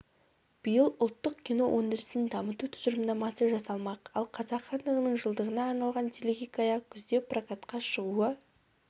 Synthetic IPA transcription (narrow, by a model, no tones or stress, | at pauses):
b̥əjəlˠʊlˠt̪ːəq̚kʲinowʔɵnd̪ɪɾɪsɪnd̪ɑmət̪ut̪ʰʊ̥zəɾəmd̪ɑmɑsəʒɑsɑlˠmɑqɑlˠqʰɑzɑqχɑnd̪əʁənəɴʒəlˠd̪əʁənɑːɾnɑlˠʁɑnt̪ʰelʲeɡʲijkajɑkʲʰʏzd̪e̞prakat̪qɑʃəʁuə